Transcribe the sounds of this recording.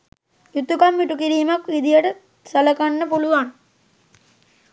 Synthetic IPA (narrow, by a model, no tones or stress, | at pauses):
jut̪ːukamʋiʈukiɾiːmakʋid̪ijəʈə | sɐləkanːəpuluʋaŋ